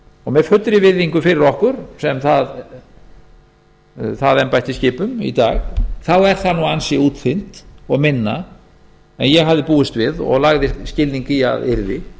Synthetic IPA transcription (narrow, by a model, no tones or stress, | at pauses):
ɔɣmɛfʏt̪ːɾɪvɪðːiŋkʏfɪɾɪɾɔhkʏɾ̥sɛmθað | θaðɛnpajht̪ɪscɪːpʏmḭt̪a̰ːɣθawɛɾ̥θanuansɪuːt̪fɪn̥t̪ɔɣmɪnːa | ɛnjɛɣɦavðɪpuːɪst̪vɪðɔ̰ɣlaɣðɪscɪlniŋcɪa̰ðɪɾðɪ